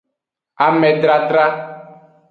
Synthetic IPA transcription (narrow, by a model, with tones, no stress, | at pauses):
a˨mɛ̃˨ɖ̪ɾa˨d̪ɾa˦